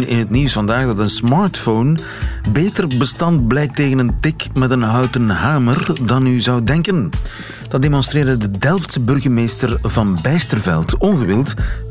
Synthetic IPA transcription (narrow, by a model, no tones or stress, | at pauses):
nɪ̰nɦətniwsfɑndaːɣdɑtənsmɑːɹtfown | beːtərbəstɑnt̚blɛjk̚teːɣənəntɪkmɛtənɦœwtənɦaːmərdɑnyzɑwdɛŋkən | d̥ɑd̚eːmɔnstreːrdədədɛlˠftsəbɵrɣərmeːstərvɑnbɛjstərvɛ̰lˠtɔnɣəʋɪlˠt